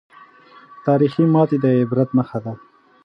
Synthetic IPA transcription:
t̪ɑːɾiximɑt̪id̪əɪbɾat̪məxad̪a

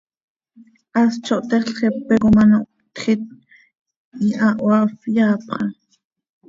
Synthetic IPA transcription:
ʔast͡ʃoʔt̪ɛχɬχepekomanoʔ | t̪χit̪̚ | iʔaʔwafjaːpχɑ

